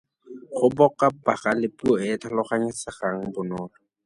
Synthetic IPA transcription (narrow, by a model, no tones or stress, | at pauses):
χʊbɔkapaχalɪpuɔɪtʰalʊχaɲɪsɪχaŋ̩bʊnɔːlɔ